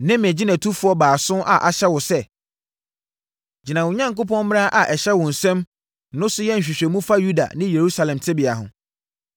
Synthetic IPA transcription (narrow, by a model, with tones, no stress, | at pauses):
nɪ̃˦m˨ɛ˨d͡ʑi˦næ̃˨tʰu˦fʊ˦ɔ˦baː˨sʊ̃˦ʔa̰˨ʔa˨ɕɛ˦wʊ˨sɛ˦ | d͡ʑi˨nã˨wʊ̃˨ɲã˦ŋkʊ˦pʰɔ̃˦nm˦a˦ʔa˨ʔɛ˨ɕɛ˦wʊ̃˨n̩˨sɛ̃˦m | nʊ̃˦sʊ˦jɛ˦n̩˨ɕᶣi˨ɕᶣɛ˨mũ˦fa˦ju˦da̰˨nɪ̃˦je˨ɾu˦sa˨lɛ̃˨mtʰɪ˦bi˨a˨ɦʊ̰̃˨